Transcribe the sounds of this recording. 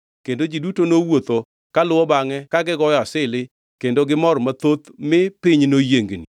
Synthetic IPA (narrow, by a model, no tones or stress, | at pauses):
kendod͡ʒidutonowot̪o | kalʊwɔbaŋɛkaɡɪɡɔjɔasɪlɪ | kendoɡɪmɔɾmat̪ot̪mɪpɪɲnojeŋɡni